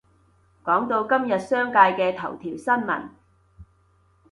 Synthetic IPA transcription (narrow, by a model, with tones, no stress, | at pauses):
kɔː˨˥ŋt̪o˧wkɐ˥mjɐ˨t̚sœː˥ŋkaː˧jkɛː˧t̪ʰɐ˨˩wt̪ʰiː˨˩wsɐ˥nmɐ̰˨˩n